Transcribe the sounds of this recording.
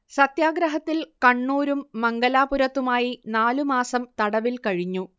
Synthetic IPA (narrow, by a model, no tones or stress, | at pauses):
sɐt̪jaːɡɾɐɦɐt̪ːilkɐɳːuːɾumːɐŋɡɐlaːpuɾɐt̪ːumaːjinaːlumaːsɐmt̪ɐɽɐʋilkɐɻiɲːu